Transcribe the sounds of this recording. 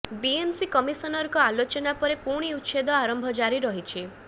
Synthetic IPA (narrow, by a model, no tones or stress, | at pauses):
biensikɔmisɔnɔɾkɔalot͡ʃɔnapɔɾepuɾɽ̃iutːʃed̪ɔaɾɔmbʱɔd͡ʒaɾiɾɔɦit͡ʃʰi